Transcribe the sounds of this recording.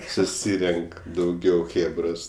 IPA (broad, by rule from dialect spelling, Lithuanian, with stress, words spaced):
sʊˈsʲiːrʲɛŋk dɐʊˈɡʲɛʊ ˈxʲeːbroːs